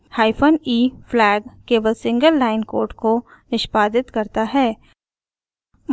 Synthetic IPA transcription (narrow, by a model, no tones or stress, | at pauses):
haːɪpʰəniːflɛːɡkeːʋəlsɪ̃ŋɡəlːaːɪnkoːɾʈkonɪʃpaːd̪ɪt̪kɐɾt̪aɦɛː | m